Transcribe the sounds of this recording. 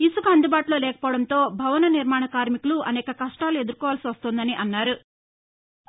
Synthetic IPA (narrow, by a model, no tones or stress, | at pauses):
isukɐɐnd̪ibaːʈulo̞ːlɛːkɐ̥pɔːɽɐnt̪o̞ːbʱɐʋɐnɐniɾmaːɳɐkaːɾmikuluʔɐnɛːkɐkɐʂʈaːlue̞d̪uɾkɔːʋaːlsiʋɐst̪oːnd̪ɐniʔɐnːaːɾu